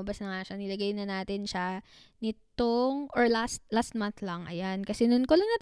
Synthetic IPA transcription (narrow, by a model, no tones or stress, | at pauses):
ɐbɐsnɐŋaʃanɪlɐɡajnɐnaːt̪ɪnʃa | nɪt̪oŋʔoɹlast̪̚last̪̚manθlɐŋʔɐ̰jankɐsɛnʊnkolɐŋnɐt̪